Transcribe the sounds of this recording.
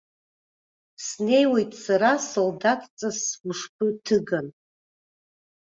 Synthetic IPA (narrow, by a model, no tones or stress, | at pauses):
sne̞jwe̞jtʼsaɾasoldatʰʼt͡sʼaswʂp̚ʰɨtʰɨɡan